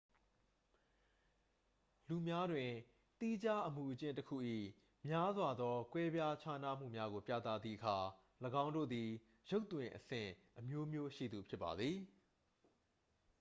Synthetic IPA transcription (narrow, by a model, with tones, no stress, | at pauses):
lu˨mja˦dwɪ̃˨ | t̪i˦d͡ʑa˦ʔəmu˨ʔət͡ɕɪ̃˦ntəkʰṵ˦˨ʔḭ˦˨ | mja˦zwa˨d̪ðɔ˦kwɛ˦bja˦t͡ɕʰa˦na̰˦˨m̥ṵ˦˨mja˦ɣo˨pjä̰˦˨t̪a̰˦˨d̪ðḭ˦˨ʔəkʰa˨ | ləɡã˦ʊ̃ndo̰˦˨d̪i˨ | jo˦ʊt̪wɪ̃˨ʔəsɪ̰̃˦˨ʔəmjo˦mjo˦ʃḭ˦˨d̪u˨pʰjɪ˦pːa̰˨d̪ði˨